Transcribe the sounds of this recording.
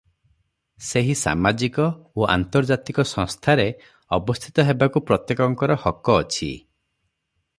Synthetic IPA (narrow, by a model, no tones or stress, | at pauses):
seɦisa̰mad͡ʒikɔoa̰nt̪ɔɾd͡ʒat̪ikɔsɔ̃ŋst̪ʰaɾe | ɔbɔst̪ʰi̥t̪ɔɦebakupɾɔt̪jekɔŋkɔɾɔhɔkɔːt͡ʃʰḭ